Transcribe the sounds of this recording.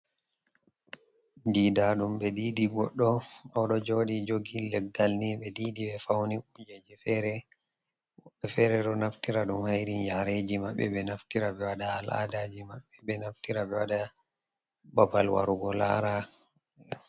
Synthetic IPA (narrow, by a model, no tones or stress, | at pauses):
didaɗumbɛdiːdiɡɔɗːɔɔɗɔd͡ʒoɗid͡ʒoɡilːɛɡ̚dalnibɛdiːdibɛfawniud͡ʒed͡ʒifɛɾɛ | wɔɓɛfɛɾɛɗɔnaftiɾaɗumhajɾinjaɾed͡ʒimaɓːɛɓɛnaftiɾabɛwaɗaːlʔa̰dad͡ʒimaɓɛbɛnaftiɾabɛwaɗa | babalwa̰ɾuɡɔla̰ɾa